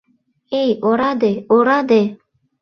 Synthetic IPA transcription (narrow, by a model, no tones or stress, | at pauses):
ejoɾɑd̪eoɾad̪e